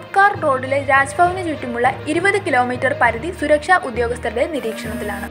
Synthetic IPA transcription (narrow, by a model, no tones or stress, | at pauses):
upkaːrro̞ːɖːile̞ɾaːd͡ʑɐbʱɐʋɐnɨt͡ɕuʈːumuɭːɐiɾubɐðɨkilo̞ːmiːtːɐrpɐɾɐðisuɾɐkʂaːʔud̪jo̞ːɡɐst̪ʰɐɾde̞niɾiːkʂɐɳɐt̪ːilaːɳɨ